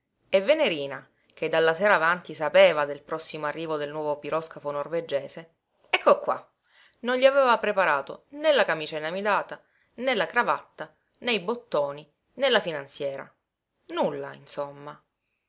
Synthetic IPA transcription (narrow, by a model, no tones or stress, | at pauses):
evːeneɾiːna | k̟ed̪ːalːaseːɾaːvant̪isapeːvad̪elpɾɔsːimoarːiːvod̪elnwɔːvopiɾʔɔskafonorved͡ʒeːse | ɛkːokːwa̰ | nonʎiaveːvapɾepaɾaːt̪o̰nelːakamiːt͡ʃainamid̪aːt̪a | nelːakɾavat̪ːa | nejbot̪ːoːni | nelːafinant̪sjɛːɾa̰ | nulːaḭnsomːa